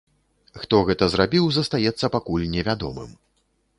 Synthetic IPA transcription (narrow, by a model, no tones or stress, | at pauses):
xt̪ɔɣɛt̪ɐzrabʲiwzɐst̪ajɛt̪sːɐpakulʲnʲɛvʲad̪ɔmɨ̰m